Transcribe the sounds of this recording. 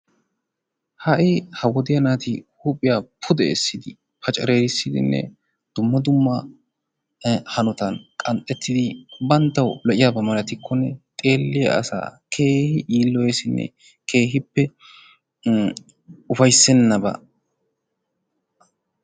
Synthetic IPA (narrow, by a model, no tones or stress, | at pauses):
hɐʔɪhɐwɔd̪ɪjɐnaːt̪ɪhupʼɪjaːpʰʊd̪ɛɛsːɪd̪ɪ | pɐt͡ʃʼɐɾeːɾɪsːɪd̪ɪ̰nːɛ̰ | d̪̥ʊmːɐd̪ʊmːɐ | hɐnɔt̪ɐnkʼɐnt̪ʼːɛt̪ʰːɪd̪ɪbɐnt̪ːɐwlɔʔɪjabɐmɐlɐt̪ɪkʰːɔnːɛt̪ʼeːlːɪjɐ̰ɐ̰sa̰ːkʰe̞ːhɪʔiːlːɔjesɪnːɛ̰ | kʰe̞ːɦɪpːɛ | ʊfɐjsːɛnːɐbɐ̰